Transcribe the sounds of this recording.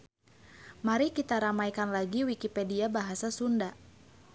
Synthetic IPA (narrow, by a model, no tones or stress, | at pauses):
maɾikit̪aɾamajkanlaɡiwikipɛdiabaɦasasunda